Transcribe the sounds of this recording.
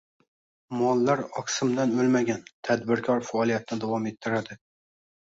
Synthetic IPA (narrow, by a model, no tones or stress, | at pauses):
mɒlˠːaɾɒksɪmd̪anɵlmaɡʲant̪ʰad̪bɪɾkʰɒɾfaːlˠijat̪ʰɪnɪd̪awɒme̞t̪ʰːɪɾad̪ɪ